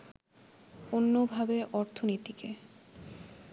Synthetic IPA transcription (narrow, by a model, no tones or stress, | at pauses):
onːobʱabeʔɔɾt̪ʰonit̪ike